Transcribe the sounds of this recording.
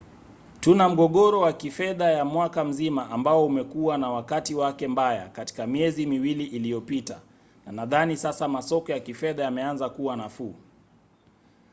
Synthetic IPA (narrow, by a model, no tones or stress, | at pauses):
tunam̩ɠɔɠɔɾɔwakifɛðajamwakam̩zimaʔambaɔumɛkuwanawakatiwakɛmbaja̰kati̥kamiɛzimiwiliʔilijɔpita | nanaðanisasamasɔkɔjakifɛðajamɛanzakuwanafuː